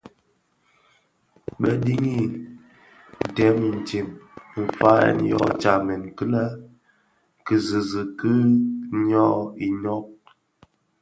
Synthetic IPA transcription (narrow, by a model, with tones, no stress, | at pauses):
ɓə˦di˦ŋi˦ | n̩˨tɛ˨˦mi˨n̩˨t͡ʃi˨mm̩˨fa˦ɛ̰˦˨n˦jɔ̰˦t͡ʃa˨mɛ˨nkɨ˦la˦ | kɨ˨zi˨zə˨kɨ˦ɲɔ˦˨i˨ɲɔ˦k̚